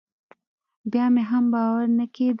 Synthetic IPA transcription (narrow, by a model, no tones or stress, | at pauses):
bjɑmeɦambɑwaɾnəked̪